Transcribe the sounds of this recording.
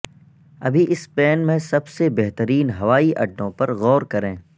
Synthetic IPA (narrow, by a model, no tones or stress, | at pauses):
ɐ̰bʱiʔɪspɛːnmẽsɐbsebɛɦt̪əɾiːnɦɐʋaːiʔɐ̰ɖːõpɐɾɣɔːɾkɐɾẽː